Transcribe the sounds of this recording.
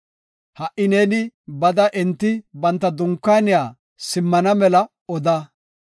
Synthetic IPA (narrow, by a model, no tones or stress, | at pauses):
hɐʔɪneːnɪbɐd̪ɐʔɛnt̪ːɪbɐnt̪ːɐd̪ʊŋkːaːnɪjaː | sɪmːɐnɐmɛlɐ | ɔd̪a